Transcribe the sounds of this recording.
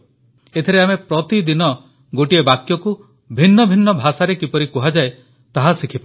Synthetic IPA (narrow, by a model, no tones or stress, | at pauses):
et̪ʰiɾeamepɾɔt̪id̪inɔ | ɡoʈiebakjɔku | bʱinːɔbʱinːɔbʱasaɾekipɔɾikuɦad͡ʒae | t̪aɦasikʰipa